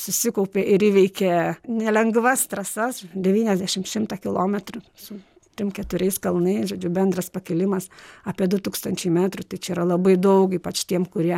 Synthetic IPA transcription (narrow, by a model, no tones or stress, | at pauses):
sʊsʲɪkɐʊpʲeːʔɪɾiːʋʲɛɪkʲenʲɛlʲɛŋɡʋɐst̪ɾɐsɐsd̪ʲɛʋʲiːnʲɛzʲd̪ʲæːʃʲɪmʃʲɪmt̪ɑkʲɪlˠoːmʲɛt̪ɾʊsʊ | t̪ʲɾʲɪmkʲɛt̪ʊɾʲɛɪskɐlˠnɐɪsʒoːd͡ʒʲʊbʲɛnd̪ɾɐspɐkʲɛlʲɪmɐsɑːpʲiɛd̪ʊt̪uːkst̪ɐnʲt͡ʃʲɛɪmʲæːt̪ɾʊt̪ɐɪt͡ʃʲɛiːɾɐlˠɐbɐɪd̪ɐʊkiːpɐt͡ʃt̪ʲiɛmkʊɾʲiɛ